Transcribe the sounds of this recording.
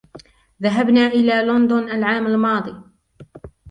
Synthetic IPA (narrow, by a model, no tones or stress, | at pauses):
ðaɦabnaːʔɪlaːlʊnd̪ʊnʔalʕaːmalmɑːd̪ˤiː